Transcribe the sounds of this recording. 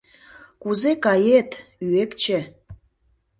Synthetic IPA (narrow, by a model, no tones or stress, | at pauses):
kuzekɑjet̪yekt͡ɕĕ